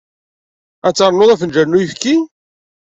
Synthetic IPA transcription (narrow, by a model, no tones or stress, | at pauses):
æt͡sːɑɾˤnoðˤæfənd͡ʒæɾnujəfkːi